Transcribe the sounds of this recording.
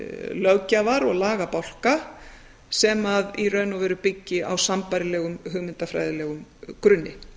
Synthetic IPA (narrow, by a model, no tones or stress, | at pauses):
lœwcavaɾɔɣlaːɣapawl̥ka | sɛmaðirœɥnavɛːɾʏpɪcːɪʔa̰wsampaɾɪlɛːɣʏmɦʏɣmɪnt̪afɾa̰jðɪlɛːɣʏmkɾʏnːɪ